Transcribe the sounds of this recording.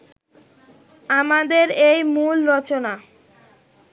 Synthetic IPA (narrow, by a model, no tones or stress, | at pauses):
amad̪eɾejmulɾɔt͡ɕona